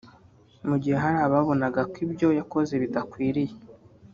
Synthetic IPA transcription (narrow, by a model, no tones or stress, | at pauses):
muɟihe̞ɦaɾaːβaβo̞naɡakibjo̞jako̞ze̞βidakwiːɾije